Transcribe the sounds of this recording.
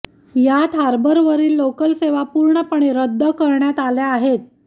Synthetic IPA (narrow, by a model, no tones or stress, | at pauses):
jat̪ʰɦaɾbəɾʋəɾiːlːokəlseʋapuɾɳəpəɳ̃eɾəd̪ʱːəkəɾɳjat̪aljaːɦet̪̚